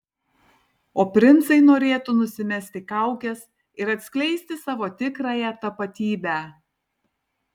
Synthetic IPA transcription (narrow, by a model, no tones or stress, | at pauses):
oːpʲɾʲɪnt̪sɐɪnoːɾʲeːt̪ʊnʊsʲɪmʲɛsʲt̪ʲɪkɑˑʊkʲɛs | ɪɾɐt̪ʲsʲkʲlʲɛɪsʲt̪ʲɪsɑːʋoːt̪ʲɪkɾɑːjɛt̪ɐpɐt̪ʲiːbʲæː